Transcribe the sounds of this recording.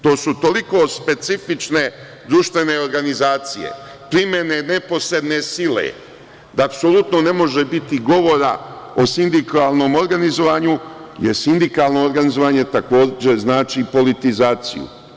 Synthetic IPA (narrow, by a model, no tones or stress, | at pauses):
t̪o̞ːsut̪o̞liko̞spe̞t̪sifit͡ʃne̞ | d̪ɾuːʃt̪ʋe̞ne̞oɾɡanizaːt̪sijḛ | pɾimje̞ne̞ne̞po̞sɾe̞d̪ne̞sile̞̰ | d̪aːpso̞lˠut̪no̞ne̞mo̞ʒe̞bit̪iɡo̞ʋo̞ɾa | osind̪ikalˠno̞ːmo̞ɾɡanizo̞ʋaːɲujesind̪ikalˠno̞ːɾɡanizo̞ʋaɲe̞t̪ako̞ːd͡ʑe̞znaːt͡ʃipo̞lit̪izaːt̪sḭjṵ